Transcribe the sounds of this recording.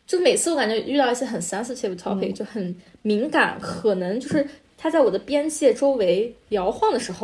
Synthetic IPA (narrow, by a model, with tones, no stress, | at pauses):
t͡ɕjo˥˧ʊ˥me˨˩ɪt͡sʰɹ̩˥˩wka˨˩nt͡ɕɥɛ˥y˥˧t̪ɑ˥˧ʊi˥˩ɕjɛ˥xə˨˩nsa˥nsʰɹ̩˥˧t͡ɕʰɛ˥˩pu˥˩t̪ʰɑ˧˥pʰe˨˩ɪt͡ɕjo˥˩ʊxə˨˩˦nmi˧˥ŋka̰˨˩˦nkʰɤ˨˩nɤ˧˥ŋt͡ɕjo˥˧ʊʂɻ̩˥˩ | t̪ʰa˥t͡sa˥˩ɪwɔ˨˩d̪ə˦pjɛ˥nt͡ɕjɛ˥˩ʈ͡ʂo˥ʊwe˧˥ɪljɑ˧˥ʊxwɑ˥˩ŋd̪ə˩ʂɻ̩˧˥xo˧